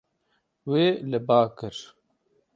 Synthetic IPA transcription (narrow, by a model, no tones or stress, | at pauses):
weːləbaːkɨɾ